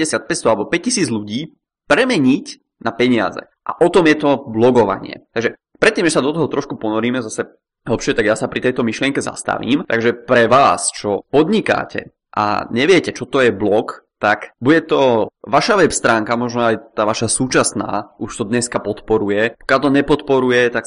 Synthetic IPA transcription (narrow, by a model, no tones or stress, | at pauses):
ɛsɪat̪̚pɛcst̪ɔalɛbɔpɛc̚cisiːd͡zʎuɟiː | pɾɛmɛɲic | napɛɲɪa̰zɛ̰ | ʔa̰ʔɔt̪ɔmjɛt̪ɔblɔɡɔʋa̰ɲɪɛ̰t̪aɡʒɛ | pɾɛt̪ːiːmʒɛsad̪ɔt̪ɔɦɔt̪ɾɔʃkupɔnɔɾiːmɛzasɛ | ɦl̩pʃɪɛt̪aɡjaːsapɾit̪ɛjt̪ɔmiʃlɪɛŋkɛza̰st̪a̰ʋḭːmt̪aɡʒɛpɾɛʋaːst͡ʃɔpɔd̪ɲika̰ːcɛ̰ | ʔa̰ɲɛʋɪɛcɛt͡ʃɔt̪ɔjɛblɔkt̪akbuɟɛt̪ɔʋaʃaʋɛpst̪ɾaːŋkamɔʒnɔajt̪aːʋaʃasuːt͡ʃasna̰ːuʃt̪ɔd̪ɲɛskapɔt̪pɔɾujɛpɔ̥kjalt̪ɔɲɛpɔt̪pɔɾujɛt̪ak